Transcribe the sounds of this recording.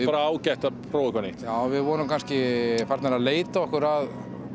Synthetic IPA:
ɪaɾaaːwcajht̪apʰɾowɪkvɛnɪaːwvɪðvɔːnʏmkʰanscɪfaɾt̪aɾaleːjt̪aɔhkʏɾað

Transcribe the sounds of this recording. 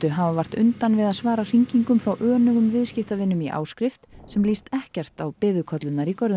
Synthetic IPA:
t̪ʏɦavavar̥t̪ʏnt̪anvɪðaðsvaːɾar̥iɲciŋkʏmfɾawʔœːnʏɣʏmvɪðscɪft̪avɪnːʏmiʔa̰ːwskɾɪft̪sɛmlist̪ɛhcɛr̥t̪awpɪːðʏkʰɔt̪lʏnaɾikɔɾðʏ

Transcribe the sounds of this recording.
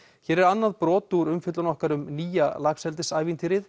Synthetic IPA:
çɛːɾɛɾanːaðpɾɔːt̪uɾʏmfɪt̪lanɔhkaɾʏmniːjalaːksɛlt̪ɪsaːjvint̪ʰiɾɪð

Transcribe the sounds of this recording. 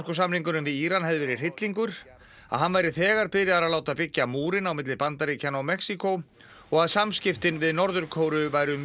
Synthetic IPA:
kʏsamliŋkʏnʏmvɪðiːɾanɦɛðvɪɾɪr̥ɪt̪liŋkʏɾ | a̰ðɦanːvajɾɪθɛːɣaɾ̥pɪðɾjaðaɾaðlaːwt̪apɪcːamuːɾɪnawmɪt̪lɪpant̪aɾicʰanawmɛksikow | ɔɣaðsamscɪft̪ɪnvɪðnɔɾðʏɾkʰoːwɾʏvaːjɾʏ

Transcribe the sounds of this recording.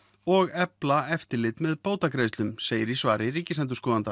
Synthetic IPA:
ɔɣɛplaɛft̪ɪɾlɪt̪mɛðpoːwt̪akɾejst̪lʏmseːjɪɾisvaːɾɪriːcɪsɛnt̪ʏskɔːðant̪a

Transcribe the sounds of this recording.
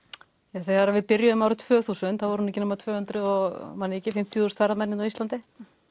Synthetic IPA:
aθɛɣaɾavɪðpɪɾjʏʏmaːwɾɪt̪ʰvœːθuːsʏnθavɔɾhunɛcɪnʏmaɾt̪ʰvœːhʏnt̪ɾʏðɔɣmanːɪɛcːɪfɪm̥t̪ʰjθuːst̪faɾamɛnɪnawist̪lant̪ɪ

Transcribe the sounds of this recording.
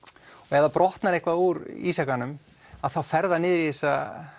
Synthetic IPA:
ɔɣɛðapɾɔht̪naɾehkvauɾḭːsakanʏm | aðθawfɛɾðanɪːðɾijesa

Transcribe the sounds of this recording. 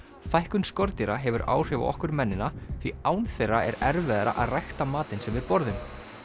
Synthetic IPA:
fajhkʏnskɔɾt̪iɾaɦɛvʏɾa̰ːwr̥ɪːva̰ʔɔ̰hkʏɾmɛnːɪnːaθʰviaːwnθɛjrːaʔɛɾɛɾvɛðaɾa̰ʔaðrajxt̪amaːt̪ɪnsɛmvɪðpɔɾðʏm

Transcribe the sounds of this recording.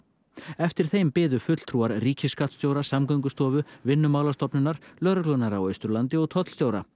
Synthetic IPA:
ɛft̪ɪɾ̥θejmpɪːðʏfʏt̪l̥t̪ʰɾuːaɾriːcʰɪskat̪st̪joːwɾasamkœɥŋkʏst̪ɔːvʏvɪnːʏmaːwlast̪ɔpnʏnːaɾ̥lœɾʏklɔnaɾawœɥst̪ʏɾlant̪ɪɔɣt̪ʰɔt̪lst̪joːwɾa

